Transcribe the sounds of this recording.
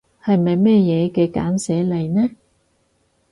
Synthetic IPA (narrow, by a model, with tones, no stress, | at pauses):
hɐ˨jmɐ˨jmɛː˥jɛː˨˧kɛː˧ka̰ː˨˥nsɛː˨˥lɐ˨jnɛː˥